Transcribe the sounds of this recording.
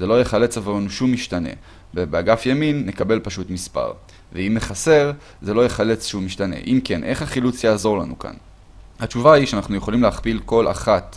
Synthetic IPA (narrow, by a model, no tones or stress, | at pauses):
ze̞lo̞jeχale̞t͡savaʁenuʃumːiʃtanḛ | bebeaɡafjaminːekabe̞lpaʃutmispa̰ʁ | veimːeχase̞ʁ | ze̞lo̞jeχale̞t͡sʃumːiʃtanḛʔimke̞nʔe̞χhaχilut͡sjaːzo̞ʁlanuka̰n | hat͡ʃuvaiʃeanaχnuje̞χo̞limleaχpilko̞lʔa̰χat